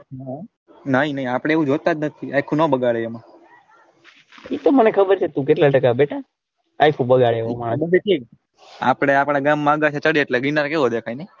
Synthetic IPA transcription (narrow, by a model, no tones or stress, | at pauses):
na | nəɦĩnəɦĩapɽ̃eeʋũd͡ʒot̪ːad̪nət̪ʰiajkʰunõbəɡaɭeemã | it̪omənekʰəbəɾt͡ʃʰet̪ũk̬eʈlaʈəkabeʈʰa | ajkʰũbəɡaɭeeʋomabəeʈʰik | a̰pɽ̃eapɽ̃aɡamːãɡat͡ʃʰet͡ʃəɽieʈleɡinaɾkeɦod̪ekʰainɛ